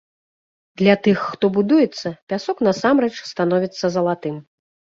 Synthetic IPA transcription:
d̪lʲat̪ɨxːt̪ɔbud̪ujɛt̪sːɐpʲasɔknɐsamɾɛt͡ʂst̪an̪ɔvʲit̪sːɐzɐlˠat̪ɨm

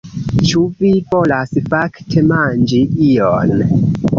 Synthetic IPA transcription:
t͡ʃuvivo̞lasfaktʰe̞mand͡ʒiion

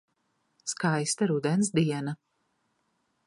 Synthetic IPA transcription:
skajst̪aɾud̪ɛns̬d̪iɛna

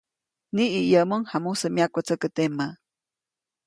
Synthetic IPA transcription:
niːjəmoŋhamusəmjakət͡səkət̪emːə

